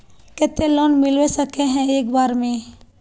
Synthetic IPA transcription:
kɛt̪elɔːnmɪlʋesəkeɦɛ̃eːkbaːɾmẽ

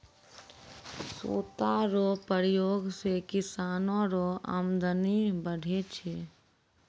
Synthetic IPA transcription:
so̰ːt̪aɾopəɾɪjoːɡsekɪsaːnõɾoə̰md̪ənibəɽ̤ʱet͡ʃʰe

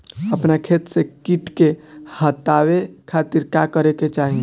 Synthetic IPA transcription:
əpnakʰet̪sekiʈkehət̪awekʰat̪iɾkakəɾeket͡ʃaːɦĩ

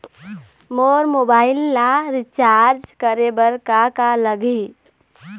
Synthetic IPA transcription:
moɾmobaɪlːaɾit͡ʃaɾd͡ʒkəɾebəɾkakaləɡi

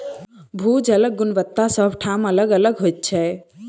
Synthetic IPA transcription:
bʱud͡ʒələɡːʊnʋət̪ːasəbʱʈʰamələɡələɡɦojt̪̚t͡ʃʰɛ

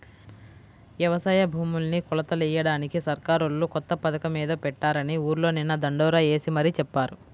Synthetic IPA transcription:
ʋjɛʋɐsɐːjɐbʱuːmulnikɔlɐt̪ɐlijɐɽaːnikisɐɾkaːɾolːukɔt̪ːɐpɐd̪ɐkɐmiːd̪ɐpɛʈːaːɾɐniuːɾlo̞ːninːɐd̪ɐɳɖɔːɾaːe̞ːsimɐɾit͡ʃɛpːaːɾu

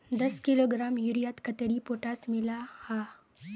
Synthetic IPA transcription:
d̪ɐskiloɡɾaːmjuɾijat̪kət̪əɾipoʈasmɪlaha

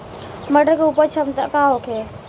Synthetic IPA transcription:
məʈəɾkeupəɾt͡ʃʰəmt̪akaɦokʰe

